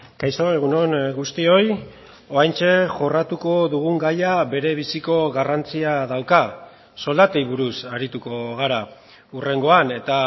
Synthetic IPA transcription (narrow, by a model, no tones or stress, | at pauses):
kajst̪oeɣ̞uno̞nɡust̪io̞j | o̞ajnt͡ʃe̞ʝo̞rat̪uko̞ðuɣuŋɡajaβe̞ɾe̞β̞isiko̞ɣarant͡siað̞awka | so̞ld̪at̪ejβuɾusaɾit̪uko̞ɣ̞aɾa | ure̞ŋɡo̞ane̞t̪a